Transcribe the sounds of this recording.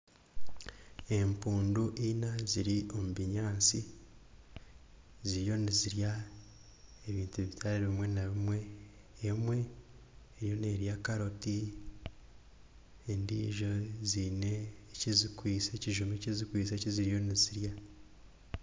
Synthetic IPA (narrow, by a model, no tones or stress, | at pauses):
e̞mpuːnduʔinaziɾio̞muβiɲaːt͡si | ziɾjo̞niziɾja | eβiːntuβitʰaɾiɾβimwe̞naβimwe̞ː | mwe̞ː | ɾjo̞ne̞ːɾjakaɾoti | endiːʒo̞zine̞ːcizikwiːseciʒumecizikwiːse̞ciziɾijo̞niziɾja